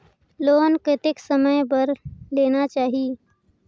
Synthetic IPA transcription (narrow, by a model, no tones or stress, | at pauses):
loːnkɪt̪ɪksəməjbəɾleːnat͡ʃaːɦie